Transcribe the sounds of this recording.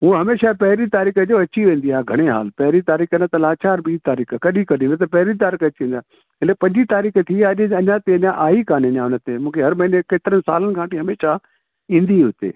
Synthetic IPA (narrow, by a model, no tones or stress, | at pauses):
ɦũːɦɐmeːʃapɐɦɾit̪aːɾiːkəd͡ʑoːɐt͡ɕiʋẽːn̆d̪iaːɡʱɐɽ̃eɦa̰ːlpɐɦɪɾit̪aːɾiːxənət̪ɐlaːt͡ɕʰaɐɾbiːt̪aːɾiːkəkɐɗikɐɗĩːnt̪ɐpɐɦɪɾit̪̬aːɾiːkɐt͡ɕiẽːnd̪aː | ɪlepɐ̃ɲd͡ʑit̪aːɾiːkət̪ʰiaʄɐɲãt̪eɐɲãʔaːikaːnẽɲãʊnə̆t̪emũːkʰeɦɐɾmɐɦinekeːt̪ɪɾənɪsa̰ːlənɪ̆kʰãːʈiɦɐmeːʃa | ĩːnd̪iɦʊt̪ḛː